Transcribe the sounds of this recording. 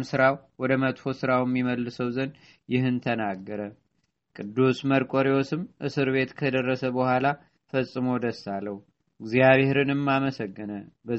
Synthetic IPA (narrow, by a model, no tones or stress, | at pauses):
msɨɾawwɔd̪əmət̪ʼfo̞sɨɾawjɛmːiməlːɨsəwzən | jɪɦɨnt̪ʰənaɡːəɾə | kʼɨd̪ːusməɾkʼoɾiwosɨmʔɨsɨɾβe̞t̪kʰəd̪ərːəsəbəhʷala | fəsʼːɨmod̪əsːalːəhu | ɪɡzijaβeeɾɨnɨmːaməsəɡːɨnəbə